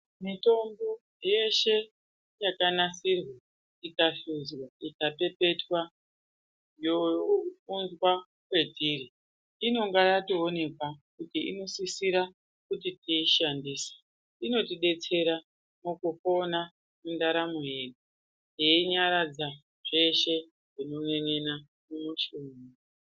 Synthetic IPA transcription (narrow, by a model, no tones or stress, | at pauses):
mito̞mbo | je̞ʃe̞ | jakanasirwa | ikaɬuzwaikape̞pe̞twa | jounzwa | kwe̞tiɾi | ino̞ŋɡajatio̞ne̞kwakutiḭno̞sisiɾa | kutitiːʃandiːsḁ | ino̞tiɗe̞t͡se̞ɾa | mukufo̞na | mundaɾamuɦeɗu | jeiɲaɾad͡za | ʐ̥e̞ʃe̞ | ʐinoneŋena | mumuʃumu